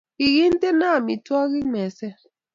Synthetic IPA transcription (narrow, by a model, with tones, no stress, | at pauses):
i˨ɣi˦n̩˦te˦na˦˨mi˨twɔ˦ɣi˦mɛ˨sɛ˦